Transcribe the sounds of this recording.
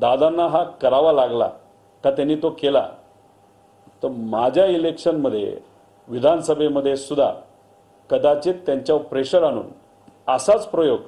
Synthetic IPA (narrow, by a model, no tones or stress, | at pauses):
d̪ad̪anːaɦakəɾaʋalaɡla̰ | kat̪anːiːt̪okela̰ | t̪əɾmad͡ʑʱjailekɕənməd̪ʱːjḛ | ʋid̪ʱansəbʱeməd̪ʱːjesud̪ʱːa̰ | kəd̪at͡ɕiːtt̪ːjaɲt͡ɕjapɾeɕəɾaɽ̃ṵːn | əsat͡spɾojoɡ